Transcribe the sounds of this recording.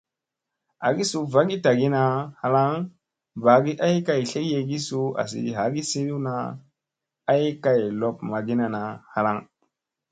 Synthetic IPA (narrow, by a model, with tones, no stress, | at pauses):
a˨ɡi˦su˨va˦ɡi˦ta˨ɡi˦na˨ha˨la˦ŋ | ba˨ɡi˦ʔa˦jka˨jɬe˦kje˨ɡi˦su˦a̰˨s̬ḭ˨ɦa˨˦ɡi˦si˦li˦na˨ | a˦jka˨jlo˨pma˨ɡi˦na˨na˨ha˨la˦ŋ